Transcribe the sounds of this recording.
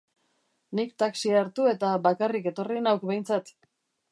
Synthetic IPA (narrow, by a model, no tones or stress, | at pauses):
nikt̪aksiaɾt̪ue̞t̪aβakarike̞t̪o̞rinawkbe̞jnt͡sat̪